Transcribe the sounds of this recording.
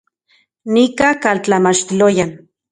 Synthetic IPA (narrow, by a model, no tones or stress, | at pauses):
nikakalt͡ɬamat͡ʃt̪ilojan